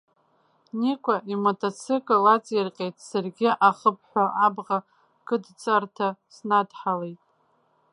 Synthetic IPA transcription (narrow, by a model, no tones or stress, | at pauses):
nikʷʰʼaʔimotʰʼot͡sʰɪkʼolat͡sʼirqʲʼejtʼsarɡʲɪʔaχəp̚ʰħʷaʔabʁa | ɡ̥ɨdt͡sʼartʰasnadħalejtʼ